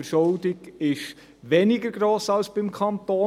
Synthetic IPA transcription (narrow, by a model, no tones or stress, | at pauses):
əɾʃold̪ɪɡ̥ɪʃ | ʋɛnɪɡəɾɡɾoːsɑlsb̥ɪmkʰɑnt̪oː